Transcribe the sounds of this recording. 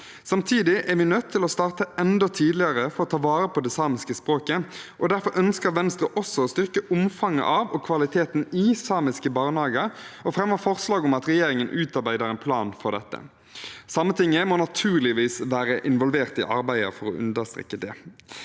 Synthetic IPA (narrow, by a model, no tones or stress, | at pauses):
sɑmt̪ʰiːd̪ɪʔæɾʋɪnœt̪ʰːɪlɔst̪ɑːʁt̪əɛnd̪ɔt̪ʰiːd̪lɪəʁəfɔɾɔt̪ʰɑːʋɑːɾəpʰɔd̪ɛsɑːmɪskəspʁoːkəʔɔd̪æʁfɔɾʔœnskəɾʋɛnst̪ʁəʔɔsɔoːst̪ʏʁkəʔʊmfɑŋːə̰ʔɑːʋɔkʰʋɑlɪt̪ʰeːt̪nɪsɑːmɪskəbɑːʁnɑːɡəɔfɾɛmːəfɔʁslɑːɡʊmɑt̪ɾɛjeːɾɪŋənʔʉːt̪ɑʁbæɪd̪əʁɛnpʰlɑːnfɔɾd̪ɛt̪ːə̰ | sɑmːət̪ʰɪŋːəmɔnɑt̪ʰʉːʁlɪʋiːsʋæːɾəʔɪnʋɔlʋeːʁt̪ɪ̰ʔɑ̰ɾbæɪə̰ɾfɔɾɔ̰ʔʉ̰nd̪əʁst̪ʁɛ̰kːəd̪ɛ̰ː